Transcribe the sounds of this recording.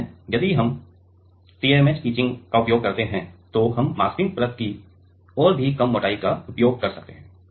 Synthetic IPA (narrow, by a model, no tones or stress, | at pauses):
jɐd̪iɦɐm | ʈiːeːmet͡ʃkiːt͡ʃɪ̃ŋɡkaʊpjoːɡ̚kɐɾt̪eɦɛ̃t̪oɦɐmːaːsʈɪ̃ŋɡ̚pɾəd̪̚ki | ɔːɾbʱikɐmːoːʈaːikaʊpjoːɡ̚kɐɾsɐk̚t̪eɦɛ̃ː